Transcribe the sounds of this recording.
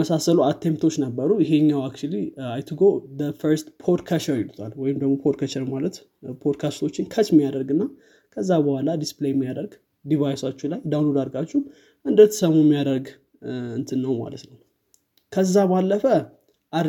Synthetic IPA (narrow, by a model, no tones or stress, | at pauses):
əsasəluat̪ʰe̞mpt̪ʰo̞t͡ʃːnəbːəɾujɪɦe̞ɲːawakt͡ʃuliajt̪ʰɨɡoðəfəɾst̪pʰod̪kʰaʃəɾjɪlut̪ʰalwɔjɪmd̪əɡmopʰod̪̚kʰət͡ʃəɾmalət̪ | pʰod̪kʰast̪ʰo̞t͡ʃːɪnkʰət͡ʃmːijad̪əɾɡɨnːa | kʰəzːabəhalad̪isplejmːijad̪əɾɡ | d̪ivajsat͡ʃːulajd̪awnlod̪aɾɡat͡ʃːɛu | ʔɨnd̪ət̪ʰːə̥səmumːijad̪əɾɡ | ɨnt̪ʰɨnːəwma̰lə̰t̪nəw | kʰəzːabalːəfə | ʔa